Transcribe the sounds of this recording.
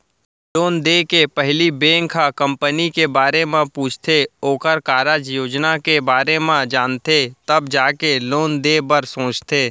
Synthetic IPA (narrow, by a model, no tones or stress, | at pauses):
loːnd̪eːkepɛɦlibẽːŋkʰakə̃mpənikebaːɾemẽpuːt͡ʃʰt̪ʰeoːkəɾkaːɾad͡ʒjoːd͡ʒnakebaːɾemãd͡ʒaːnt̪et̪ɐbd͡ʒaːkeloːnd̪eːbəɾsõːt͡ʃt̪ʰeː